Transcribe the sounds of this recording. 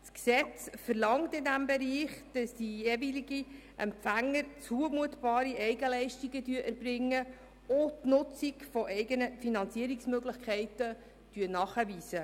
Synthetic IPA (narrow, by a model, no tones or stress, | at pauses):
sksɛt͡sfəɾlɑŋtɪndæmbɛɾiːχd̥ɑsd̥ijɛːviliɡi | ʔɛmpfæŋːəɾt͡suəmuətb̥ɑːɾiʔɛɪɡəlɛɪʃtiɡədyəʔæɾbɾɪŋːə | ʊtnʊt͡sikfɔʔɛɪɡənəfinɑnt͡siəɾiksmøɡlɪχkʰɛɪtə | d̥yənɑːχəʋiːsə